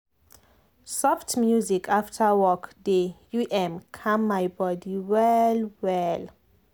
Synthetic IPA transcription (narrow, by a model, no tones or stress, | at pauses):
sɔftmjuzikʰaftʰawɔkdejuʔɛ̃mkʰãmːajbɔdiwɛlwɛl